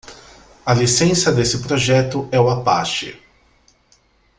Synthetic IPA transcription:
ɐlisẽsɐd̪esɪpɾoʒɛt̪ʊɛʊwɐpa̰ʃɪ̰

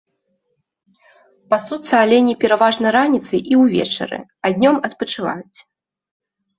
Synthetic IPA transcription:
pasut̪sɐalʲɛnʲɛpʲɛɾavaʐnɐɾanʲit̪sɨjʔiwvʲɛ̰t͡ʂɐ̰ɾɨ̰ | ad̪ʲnʲɔmɐt̪pɐt͡ʂɨva̰jut͡sʲ

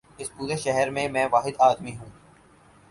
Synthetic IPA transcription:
ɪspuːɾeʃɛɦɛɾmẽmɛ̃ːʋaːɦɪd̪aːd̪miɦũː

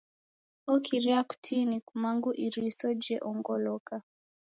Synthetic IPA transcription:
ɔkiɾiaku̥tʰinikumaŋɡuʔiɾisɔd͡ʒɛʔɔŋɡɔlɔka

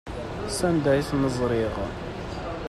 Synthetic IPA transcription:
sænd̪æjθnəzˤɾɪʁ

